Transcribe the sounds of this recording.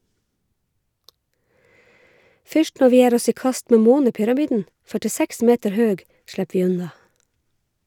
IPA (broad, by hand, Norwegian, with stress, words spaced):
ˈfʏʃt ˈnɔɹ ˈʋiː ˈjeːɾ ˈɔs ˈiː ˈkɑst ˈmeː ˈmoːnəpʏɾɑˌmiːdn̩ fœʈɪˈsæks ˈmeːtəɹ ˈhøːɡ ˈʃɽæp ˈʋiː ˈʉnɑ